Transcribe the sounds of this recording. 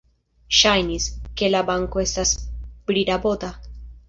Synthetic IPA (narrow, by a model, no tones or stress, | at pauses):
ʃajniske̞labaŋko̞e̞stasbɾiɾabo̞d̪a